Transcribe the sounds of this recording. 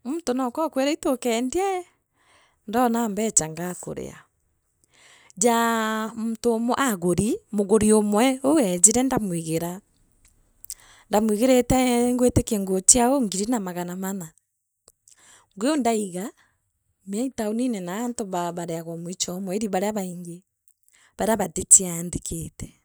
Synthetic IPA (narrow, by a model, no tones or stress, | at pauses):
muntonɔkɔkweɾaitokɛnda | ndɔnambɛt͡ʃaŋɡako̰ɾḛa̰ | d͡ʒamotoːmoʔaɣoɾimoɣoɾiomwɛowɛd͡ʒeɾɛndamwiɣeɾa | ndamwiɣeɾetɛŋɡwetekeŋɡot͡ʃiaoŋɡiɾinamaɣanamana | ŋɡeondaiɣa | meaitaoninɛnaːntoβaβaɾeaɣɔmoit͡ʃɔmwɛeɾiβaɾeaβaiŋɡe | βaɾeaβatet͡ʃiandeketɛ̥